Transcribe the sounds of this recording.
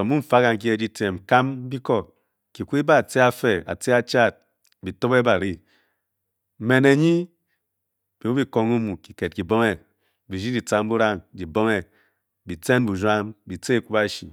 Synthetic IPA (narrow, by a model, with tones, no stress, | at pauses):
o˨mu˦m̩˨fa˦ka˨ŋ˨˦ki˦e˨d͡ʒi˦te˨m̩˨ka˦m˦bi˦kɔ˦ | ki˨ku˦i˦ba˦˨t͡se˦a˦fe˨a̰˨t͡se˦a˦t͡ʃa˦˨t̚ | bi˨to˦be˦ba˨ɾi˦˨ | me˨ne˨ɲi˦ | b̥i˨wo˦bi˦ko˨ŋu˦mu˨ki˨ke˨t̚ki˨bo˦ŋe˨ | bi˨d͡ʒi˦di˨t͡sa˦m˦bu˦ɾa˦ŋd͡ʒi˨bo˦ŋe˨ | bi˨t͡se˦n˦bu˨d͡ʒʷa˦mbi˨t͡se˦˨ku˦ba˦ʃḭ˨